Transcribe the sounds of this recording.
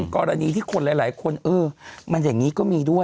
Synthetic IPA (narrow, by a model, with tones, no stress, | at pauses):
kɔː˧ɾa˧niː˧t̪ʰiː˥˩kʰo˧nlaː˨˦jlaː˩˦jkʰo˧nʔɤː˧ma˧njaː˨˩ŋːiː˦˥kɔː˥˩miː˧du˥˩ə